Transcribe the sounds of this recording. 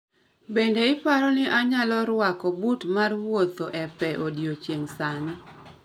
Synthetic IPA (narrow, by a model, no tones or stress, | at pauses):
bendeɪpaɾɔnɪʔaɲalɔɾwakɔbutmarwwot̪oʔɛpɛʔodjot͡ʃjeŋsani